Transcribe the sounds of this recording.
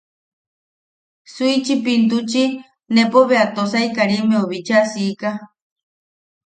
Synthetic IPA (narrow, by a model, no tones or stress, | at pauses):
suit͡ʃipint̪̬ut͡ʃi | nepoβeat̪osaikaɾimeoβit͡ʃasiːka